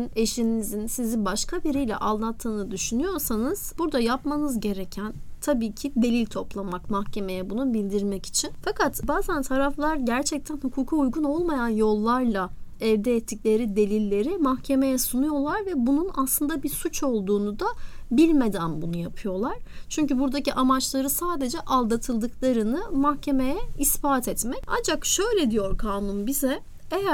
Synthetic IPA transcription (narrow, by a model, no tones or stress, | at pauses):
neʃinizinsizibaʃkʰabiɾijlʲɛ̰ʔalˠːat̪ʰːɯːnɯd̪yʃynyjo̞ɾsanɯz̥buɾd̪ajapmanɯzɟe̞ɾecʰænt̪ʰabiːcʰid̪e̞lʲilʲt̪ʰo̞plˠamakmahcʰe̞me̞jɛbunubilʲd̪iɾmɛci̥t͡ʃʰinfakʰat̪baːzænt̪ʰaɾaflˠaɾɟæɾt͡ʃʰɛc̚t̪ʰænhukʰuːkʰuujɡuno̞lˠmajanjo̞lˠːaɾlˠaɛvd̪ɛːt̪ʰːicʲlʲe̞ɾid̪e̞lʲilʲːe̞ɾimahcʰe̞me̞jɛsunujo̞lˠaɾvɛbununaslˠɯnd̪abiɾsut͡ʃo̞lˠd̪uːnud̪abilʲme̞d̪ænbunujapʰɯjo̞lˠaɾ̥t͡ʃʰyɲcybuɾd̪aciʔamat͡ʃlˠaɾɯsaːd̪e̞d͡ʒɛʔalˠd̪at̪ʰɯlˠd̪ɯklˠaɾɯnɯmahcʰe̞me̞jɛispaːt̪ʰɛt̪mɛca̰nd͡ʒakʃø̞jlʲɛd̪ijo̞ɾkʰaːnunbizɛ | ejæ